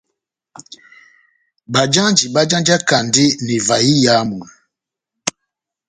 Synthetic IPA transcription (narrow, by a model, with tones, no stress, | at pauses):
ba˨d͡ʒa˦d͡ʒi˨ba˦d͡ʒã˦nd͡ʒa˦ka˨nde˦ni˨va˨ji˦ja˦mu˨n